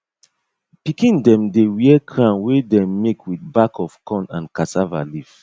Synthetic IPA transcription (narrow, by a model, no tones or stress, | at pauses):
pikĩndɛ̃mdewiɛkʰɹãnwedɛ̃mːekʰwidbakɔfkɔ̃nã̰nkasava̰lif